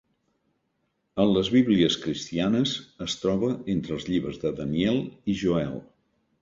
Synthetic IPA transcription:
ənləzβiβliəskɾist̪ianəzəst̪ɾɔβəent̪ɾəːlˠzʎiβɾəzðəðəniɛlˠiʒuɛ̰l

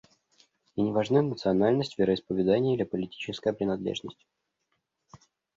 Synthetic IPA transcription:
inʲɪvɐʐnanət̪sɨɐnalʲnəsʲtʲvʲɪɾəɪspəvʲɪd̪anʲɪjəlʲɪpəlʲɪtʲi̥t͡ɕɪskəjəpɾʲɪnɐd̪lʲḛʐnəsʲtʲ

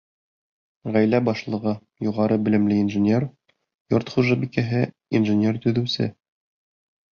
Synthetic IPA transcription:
ʁæjlæbɒʃlˠɤ̆ʁɤ | juʁɑɾɤbɘ̆lɘ̆mlɘinʒɘ̆nʲer | joɾt̪χuʒɑbikæɦɘ | inʒɘ̆nʲert̪ɵ̆ðɘ̆wsɘ̰

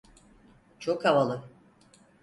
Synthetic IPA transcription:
t͡ʃʰokavalˠɯ

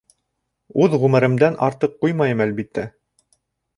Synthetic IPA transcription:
ʉðʁʉmɘ̆ɾɘ̆md̪ænʔɑɾt̪ɤqːujmɑjɤmælbit̪ʰːæ

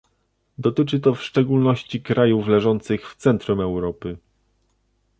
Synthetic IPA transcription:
d̪ɔt̪ɘt͡ʂɘt̪ɔfʂt͡ʂɛɡulnɔɕt͡ɕikɾajuflɛʐɔnt̪sɘxft̪sɛnt̪ɾumɛwɾɔpɘ

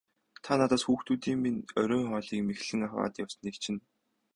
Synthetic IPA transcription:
t̪ʰanat̪aːsxuːxt̪uːt̪iːŋminœɾʲʊːŋχœːɮiːkmexɮɘ̆ŋaχwa̰ːt̪jawsə̆niːkt͡ɕʰɪ̆n

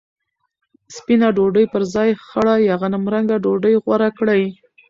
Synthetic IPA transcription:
spinaɖoɖəjpəɾzɑjxaɽajaɣanamɾaŋɡaɖoɖəjɣwaɾakɽaj

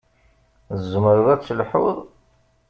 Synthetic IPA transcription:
zːəməɾəðæt͡sːlħṵðˤ

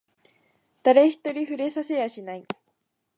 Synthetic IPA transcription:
d̪̥aɾe̞çi̥t̪ːo̞ɾʲiɸɯ̟ɾe̞sase̞jaɕinai

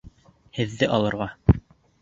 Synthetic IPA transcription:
hɘ̆ðːɘʔɒlˠɤ̆ɾʁɑ

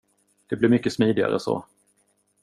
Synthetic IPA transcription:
d̪̥ɛblɪɾmʏkːəsmiːd̪ɪɡa̰ɾə̰so̰ː

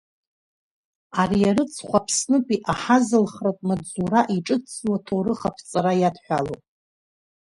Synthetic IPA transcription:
aɾijaɾɨt͡sʰχʷapʰsnɨpʰʼiʔaħazɨlχratʼmad͡zuɾaʔiʈ͡ʂʼɨt͡swatʰowɾɨχapʰt͡sʼaɾajadħʷᶣalowʼ

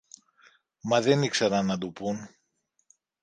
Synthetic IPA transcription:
mɐðe̞nikseɾɐnːɐd̪upun

